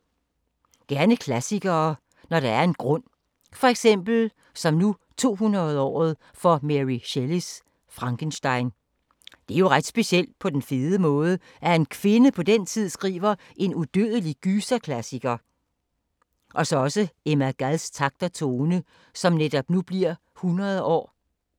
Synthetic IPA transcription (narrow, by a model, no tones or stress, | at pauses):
ɡ̥æɐnəkʰlæsiɡ̥ɐː | nɒɾɑ̈æɐe̝nɡ̥ʁɔ̽n̰ | fɒ̽eɡ̥sem̰b̥l̩ | sɒ̽mnu | t͡sʰo̝̰ːɦunʁɐð̩ˠɒ̰ːð̞̩ˠ | fɒmeʁiɕelis | fʁɑ̈ŋkʰənsd̥ɑ̈ɪn | d̥e̝æɐjo̝ʁad̥sb̥e̝siel̰d̥̚pʰɒ̽d̥enfe̝ðˠəmɔ̽ːð̞ˠə | ʔæe̝nkʰʋe̝nəpʰɒ̽d̥ent͡sʰið̞̰ˠsɡ̥ʁḭːʋɐ | ʔe̝nud̥øðˠəliɡ̥yːsækʰlæsiɡ̥ɐ | ʔɒ̽sɒ̽ɒ̽səemæɡ̥ælst͡sʰɑ̈ɡ̥̚d̥ɐt͡sʰo̝ːnə | sɒ̽mned̥ɒ̽b̥nub̥liɐ̰ | hunʁɐðˠɒ̰ː